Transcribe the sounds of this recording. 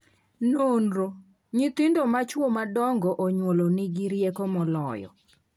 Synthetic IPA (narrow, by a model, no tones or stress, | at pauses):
nonɾo | ɲit̪indomat͡ʃwomadɔŋɡɔʔoɲwolonɪɡɪɾjekomɔlɔjɔ̰